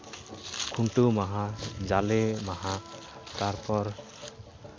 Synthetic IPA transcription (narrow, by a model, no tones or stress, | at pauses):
kʰunʈumaɦãd͡ʒalemaɦã | t̪aɾpɔɾ